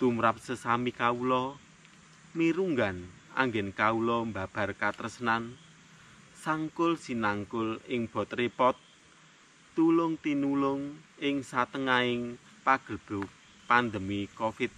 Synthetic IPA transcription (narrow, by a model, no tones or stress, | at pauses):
t̪umɾap̚səsamikaulɔ | miɾuŋɡan | a̰ŋɡɛnkaulɔmba̤b̥a̤rkat̪əɾəsənan | saŋkʊlsinaŋkʊlɪŋb̥ɔ̤t̪̚ripɔt̪̚ː | ulʊŋt̪inulʊŋɪŋsat̪əŋaɪŋ | paɡ̥ə̤d̥ṳ | pand̪əmikofɪt̪̚